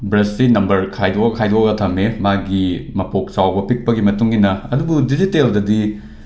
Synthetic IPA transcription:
bɾesinɐmbɐɾkʰajdoɐkʰajdoɐɡɐtʰɐmemaɡimɐpok̚t͡ʃawbɐpik̚pɐɡimɐtuŋinɐɐdubudiziteldɐdi

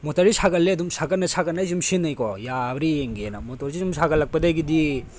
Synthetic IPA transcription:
motɐɾisaɡɐlːeɐdumsʰaɡɐnɐsʰaɡɐnajzumsinːɐjkɔjabɾieŋɡenɐmotɔɾsizumsʰaɡɐlːɐk̚pɐdajɡidi

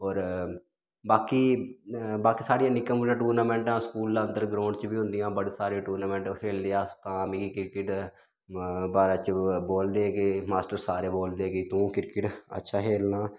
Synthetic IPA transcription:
ɔːɾ | baːkiː | baːkiːsaːɽijãːnɪkːəmːãːʈuːɾnaːmɛ̃ːɳʈãːskuːlːaənd̪əɾɡɾãːɳɖt͡ʃbiːɦʊ̃nd̪ijãːbəɽeːsaːɾẽːʈuːɾnaːmɛ̃ːɳʈkʰeːld̪eːaːst̪ãːmɪɡiːkɪɾkɪʈ | baːɾãːt͡ʃboːld̪eːɡeːmaːsʈəɾsaːɾeːboːld̪eːɡeːt̪ũːkɪɾkɪʈə̰tːʃʰaːɦeːlnaː

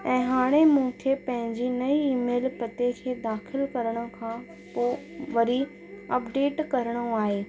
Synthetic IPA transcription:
ɛ̃ːɦaːɽ̃emũːkʰepɐ̃ɦɪ̃ɲd͡ʑinɐiiːmeːlpɐt̪ekʰeːd̪aːxʰɪlkɐɾəɽ̃ʊ̆kʰãː | poːʋɐɾi | ɐpɖeːʈkɐɾəɽ̃ʊaːɦeː

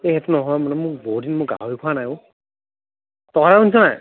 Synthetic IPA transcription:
eɦɛtunɔɦɔjmanɛmʊk̚bodinmʊk̚ɡa̰ɦɔɹikʰɔanajo | tɔɾaunsɔnaj

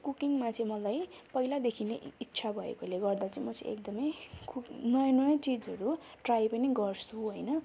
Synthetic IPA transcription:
kukiŋmat͡sʰʌ̃ĩmʌlajpʌilad̪ekʰineitːsʰabʱʌḛkoleɡʌrd̪at͡sʌĩmʌt͡sḛkd̪ʌmʌjkunʌjnʌjʌt͡sid͡zɦʌɾuʈrajpʌniɡʌrsuɦojnʌ

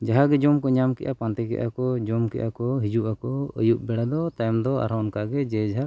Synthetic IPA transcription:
d͡ʒaɦaɡɛd͡ʒɔmkɔɲamkɛ̰ʔapant̪ɛkɛ̰ʔakɔd͡ʒɔmkɛ̰ʔakɔɦid͡ʒuʔakɔə̰juʔ̚bɛɽad̪ɔt̪ajmd̪ɔa̰ɾawnkaʔɡɛd͡ʒɛd͡ʒɦaɾ

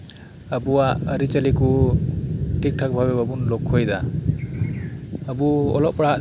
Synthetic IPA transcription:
abuwaʔəɾit͡ʃaliku | ʈik̚ʈʰak̚bʱabebabunlɔkʰːɔjd̪a | buɔ̰lɔʔ̚pɽaɦaʔ

